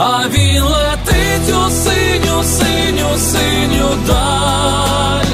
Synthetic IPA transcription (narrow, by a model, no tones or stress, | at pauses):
a | ʋʲilˠɛt̪ɪ | tʲusɪ | nʲʊsɪ | nʲʊsɪ | nʲʊd̪a | lʲ